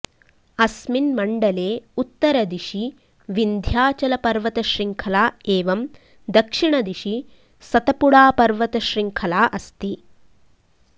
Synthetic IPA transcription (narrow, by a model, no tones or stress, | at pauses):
ɐsminmɐɳɖɐleːut̪ːɐɾɐd̪iʂi | ʋind̪ʱjaːt͡ʃɐlɐpɐɾʋɐt̪ɐʃɾiŋkʰɐlaːeːʋɐm | d̪ɐkʂiɳɐd̪iʂi | sɐt̪ɐpuɽaːpɐɾʋɐt̪ɐʃɾiŋkʰɐlaːʔɐst̪i